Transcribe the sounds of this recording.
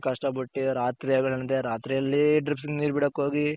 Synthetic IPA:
kɐʂʈɐbɐʈːiɾaːt̪ɾijaːɡɐɭɐnt̪eɾaːt̪ɾijɐlːiɖɾipsɡeniːɾbiɽokːɦoːɡi

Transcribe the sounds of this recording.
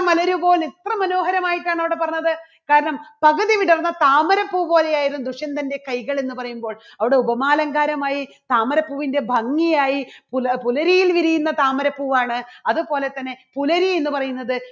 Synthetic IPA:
mɐlɐɾubo̞ːlit̪rɐmɐno̞ːɦɐɾɐmaːjiʈːaːɳɐʋiɽe̞pɐrɐɲːɐðɨ | kaːɾɐɳɐmpɐɣɐðiʋiɽɐrɐnːɐt̪aːmɐɾɐpːuːpo̞ːle̞jaːjiɾunːud̪uʂɐnd̪ɐnde̞kɐjɣɐɭe̞nːupɐrɐjumbo̞ːɭ | ɐʋiɽe̞ubɐmaːlɐŋɡaːɾɐmaːjit̪aːmɐɾɐpːuːʋinde̞bʱɐŋːijaːjippulɐɾijilʋiɾijunːɐt̪aːmɐɾɐpːuːʋaːɳɨɐðupo̞ːle̞t̪ːɐnːe̞pulɐɾie̞nːupɐrɐjunːɐðɨ

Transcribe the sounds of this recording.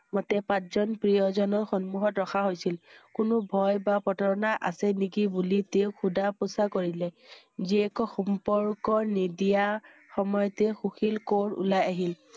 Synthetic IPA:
mɔtɛpãtzɔnpɹijɔzɔnɔɹxɔnmuɦɔtɹɔxʰaɦojsilkʊnʊbʱɔjbapɔtɔɹɔnaʔa̰sɛnikibuliteʊxʰudapʊsakoɹilɛ | ziɛkɔxɔmpɔɹkɔnidija | xɔmɔjɔtɛxuxilkoɹṵlajaɦil

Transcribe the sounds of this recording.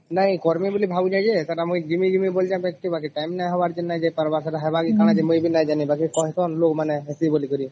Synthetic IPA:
naĩkɔɾmibolibʱabud͡ʒad͡ʒet̪aʈamũjd͡ʒimid͡ʒimibold͡ʒabɛkʈibak̬iʈajmnajɦɔbaɾd͡ʒenajd͡ʒɛpaɾbaɾsaʈaɦɛbaɡikaɽãd͡ʒɛmũjbinajd͡ʒanibakikɔɦɛt̪ʰɔnlokmanɛɦesibolikɔɾi

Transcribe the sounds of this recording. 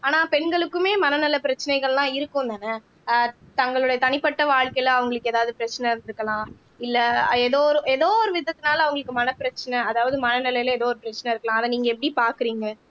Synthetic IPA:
aːnaːpɛɳɡɐɭɯkːɯmeːmɐnɐnɪlːɐpɪɾɐt͡ʃːɐnɐɪɣɐɭlãːɪɾɯkːɯ̃nd̪aːnɐ | t̪ɐŋɡɐɭɯɽɐjɐt̪ɐnɪpːɐʈːɐʋaːɭkɐɪlɐʋɐŋɡɐɭɯkːɯeːðaːʋɐðɯpɪɾɐt͡ʃːɐnɐɾnɪɾɯkːɐlãː | ɪlːɐɛðoːɾɯʔɛðoːɔɾɯʋɪðɐt̪ːɯnaːlɐʋɐŋɡɐɭɯkːɯmɐnɐpɪɾɐt͡ʃːɐnɐɐðaːʋɐðɯmɐnɐnɪlɐjɪlɐɛðoːɔɾɯpɪɾɐt͡ʃːɐnɐɪɾɯkːɐlãːɐðɐniːŋɡɐɛp̬ːɐɽipaːɾkɪɾiːŋɡɐ

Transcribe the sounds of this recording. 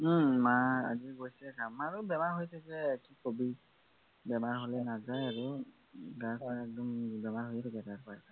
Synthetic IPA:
maa̰ziɹɡojsɛɡamaɹubɛmaɹɦojsɛzɛkikobi | bɛmaɹɦolɛnazajaɹu | ɡasaɹɛk̚dɔmbɛmaɹɦojɛtɛɡɛtaɹpasa

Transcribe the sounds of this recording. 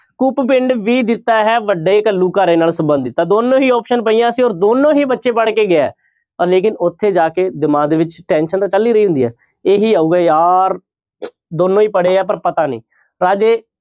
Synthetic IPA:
kuːppɪɳɖʋiːd̪ɪt̪ːaːɦɛːʋəɖːeːkəlːuːkaːɾeːnaːlsəmbənd̪it̪ãːd̪oːnõːɦiːɔːpʃənpəiːjãːəsĩːoːɾd̪oːnːõːɦiːbətːʃeːpəɽkeːɡɪaːɛ̰ː | pəɾleːkɪnʊt̪ʰːeːd͡ʒaːkeːd̪ɪmaːd̪eːʋɪt͡ʃʈɛ̃ːnʃənt̪ãːt͡ʃəlːiːɾəɦiːɦʊ̃nd̪iːɦɛ̰ː | eːɦiːaːuːɡaːjaːɾ | d̪oːnːõːiːpəɽeːɛːpəɾpət̪aːnḭ̃ː | ɾaːd͡ʒeː

